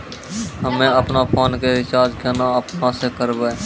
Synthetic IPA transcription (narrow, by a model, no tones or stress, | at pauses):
ɦəmẽəpnapʰaːnkeɦɪʃaːd͡ʒɡʱjaːnaəpnasekəɾbeː